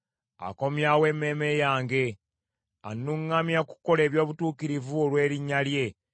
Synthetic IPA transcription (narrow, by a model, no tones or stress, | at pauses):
a̰ko̞mjawe̞ːme̞ːme̞jaːŋɡe̞ | anːuŋːamjaku̥ko̞le̞ːβjo̞ːβutuːkiɾivuolwe̞ːɾiɲːalje̞